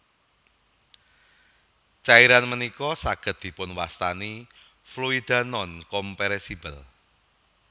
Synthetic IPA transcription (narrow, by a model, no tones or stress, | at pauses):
t͡ʃaiɾanmənikɔsaɡ̥ə̤t̪̚d̪̥i̤pʊnwast̪ani | fluid̪̥a̤nɔnkɔmpeɾesibəl